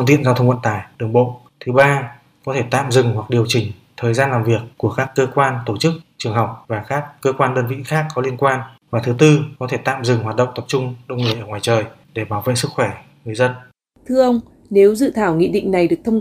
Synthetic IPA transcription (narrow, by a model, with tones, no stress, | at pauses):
ŋt̪ḭ˧˨ənzaː˧wt̪ʰə˧wŋ͡mwə̰˧˨nt̪aː˧˩jɗɨ˨˩əŋɓo̰˧˨ | t̪ʰɨ˨˦ɓaː˧ | kɔ˨˦t̪ʰe˧˩t̪a̰ː˧˨mzɨ˨˩ŋwa˨˩k̚ɗi˨˩əwt͡ɕï˨˩ŋ̟t̪ʰəː˨˩jzaː˧nlaː˨˩mvi˨˩əkːu˧˩əkaː˦˥kːəː˧kwaː˧nt̪o˧˩t͡ɕɨ˦˥k̚t͡ɕɨ˨˩əŋɦa˨˩wk͡p̚vaː˨˩kaː˦˥kːəː˧kwaː˧nɗəː˧nvḭ˧˨xaː˦˥kːɔ˨˦li˧ənkwaː˧nvaː˨˩t̪ʰɨ˨˦t̪ɨ˧kɔ˨˦t̪ʰe˧˩t̪a̰ː˧˨mzɨ˨˩ŋɦwaː˨˩t̚ɗə̰˧˨wŋ͡mt̪ə˨˩p̚t͡ɕʊ˧ŋ͡mɗə˧wŋ͡mŋɨ˨˩əjʔəː˧˩ŋwaː˨˩jt͡ɕəː˨˩j | ɗe˧˩ɓaː˧˩wvḛ˧˨sɨ˦˥k̚xwɛ˧˩ | ŋɨ˨˩əjzə˧n | t̪ʰɨ˧əʔə˧wŋ͡m | ne˨˦wzɨ̰˧˨t̪ʰaː˧˩wŋḭ˧˨ɗḭ˧˨ŋ̟na˨˩jɗɨ˨˩ək̚t̪ʰə˧wŋ͡m